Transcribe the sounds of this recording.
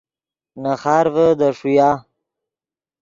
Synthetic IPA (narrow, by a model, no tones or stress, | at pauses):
naxaːɾvəd̪əʂujaː